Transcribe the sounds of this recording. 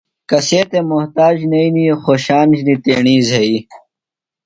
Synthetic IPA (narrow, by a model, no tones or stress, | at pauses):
kɐseːt̪emʊɦt̪aːd͡ʑnɐinixoːɕaːnd͡ʑnit̪eːɳiːzɦɐi